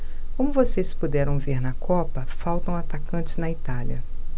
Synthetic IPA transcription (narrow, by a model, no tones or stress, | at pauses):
kõmʊvosespud̪ɛɾɐ̃w̃veɾnɐkʰɔpɐfawt̪ɐ̃w̃at̪akɐ̃nt͡ʃɪznɐit̪alɐ